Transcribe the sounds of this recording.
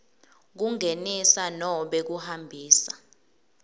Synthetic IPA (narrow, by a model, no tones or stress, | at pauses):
k̬uŋenisanɔɓek̬uhambʱiːsa